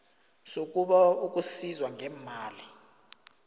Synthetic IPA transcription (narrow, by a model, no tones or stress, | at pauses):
sok̬ʼuɓauk̬ʼusizwaŋʱɛːmaːli